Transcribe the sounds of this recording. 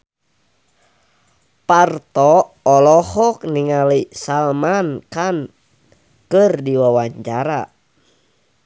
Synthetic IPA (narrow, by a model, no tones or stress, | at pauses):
part̪ɔɔlɔhɔk̚niŋalisalmankan | kɨrdiwawaɲt͡ʃaɾa̰